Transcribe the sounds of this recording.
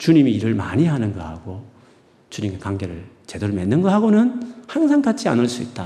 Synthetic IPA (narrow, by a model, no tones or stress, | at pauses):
t͡ɕuɲimiːɾɯɭmaɲiɦanɯnɡʌha̰ɡ̥o | t͡ɕuɲimekaŋɡe̞ɾɯɭt͡ɕe̞doɾɯmenːɯnɡʌhaɡonɯnhaŋsʰaŋkat͡ɕʰia̰nɯɭs͈uḭt̚t͈a